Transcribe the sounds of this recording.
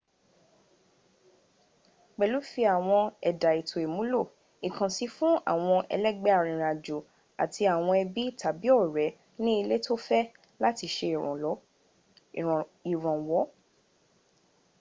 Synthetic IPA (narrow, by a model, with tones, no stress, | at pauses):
k͡pɛ˨lu˨˦fi˧a˨w̃ɔ̃˧ɛ˨da˨i˨tʰo˨e˨mũ˨˦lo˦˨ | i˨kã˨si˨˧fũ˦a̰˦˨w̃ɔ̃˧ʔɛ̰˧lɛ˦ɡ͡bɛ˦a˨ɾ̃ĩ˨ɾ̃a˨d͡ʒo˨ | a̰˨tʰi˧a˨w̃ɔ̃˧ɛ˧bi˦˨tʰa˨bi˦ɔ˦˨ɾɛ˨˦ | nĩ˦i˧le˦tʰo˦fɛ˦ | la˦ti˧ʃẽ˧˨ɔ˨˦˨ | i˨ɾ̃ɔ̃˨wɔ˨˦